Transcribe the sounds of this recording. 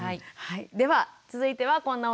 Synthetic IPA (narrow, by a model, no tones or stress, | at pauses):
aihaid̪e̞βat͡sɨzɨit̪e̞βakõ̞nːao